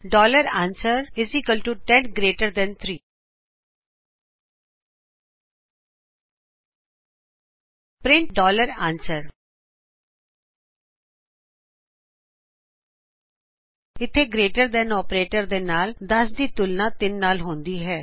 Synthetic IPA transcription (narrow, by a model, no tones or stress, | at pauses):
ɖɔːləɾãːnsəɾɪzɪkəlʈuʈɛ̃nɡɾeːʈəɾd̪ɛnt̪ʰɾiː | pɾɪ̃ɳʈ̚ɖɔːləɾãːnsəɾ | ɪt̪ʰːeːɡɾeːʈəɾd̪ɛ̃ːnɔːpɾeːʈəɾd̪eːnaːld̪əsd̪iːt̪ʊlnãːt̪ɪnːaːlɦõːnd̪iːɦɛː